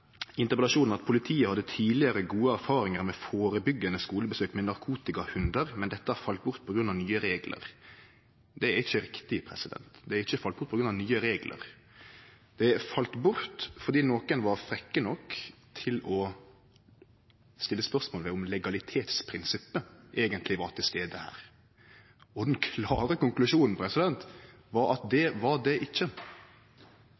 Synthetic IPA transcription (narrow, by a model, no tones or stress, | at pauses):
ɪnt̪əʁpɛlɑʂuːnn̩ɑt̪̚pʰʊlɪt̪ʰiːəhɑd̪ːət̪ʰiːlɪəɾəɡuːəæɾfɑːɾɪŋəɾmɛfoːɾəbʏɡːənəskuːləbəsøːkmɛnɑɾkʰuːt̪ɪkɑhʉnd̪əɾmɛnd̪ɛt̪ːəhɑɾfɑlt̪̚bʊɾt̪̚pʰɔɡɾʉnɑʋnyːəɾeːɡlə̰ɾ | d̪ɛæɾɪçəɾɪkt̪ɪpʰɾɛsɪd̪ɛ̰nt̪d̪ɛæɾɪçːəfɑlt̪̚bʊɾt̪pɔɡɾʉnɑʋnyːəɾeːɡlʔə̰ɾ | d̪̥ɛfɑlt̪bʊɾt̪fɔɾd̪iːnoːkənʋɑɾfɾɛkːənɔkːt̪ʰɪlɔ | st̪ɪlːəspœʁsmoːlʋɛʊmlɛɡɑlɪt̪ʰeːt̪spʰɾɪnsɪpːəʔeːɡənt̪lɪʋɑɾt̪ʰɪlst̪eːd̪əhæ̰ːɾ | ɔd̪ɛnkʰlɑːɾəkʊŋklʉʂuːnn̩pʰɾɛsɪd̪ɛnt̪ | ʋɑɾɑ̰t̪d̪ɛʋɑɾd̪ɛʔɪçːə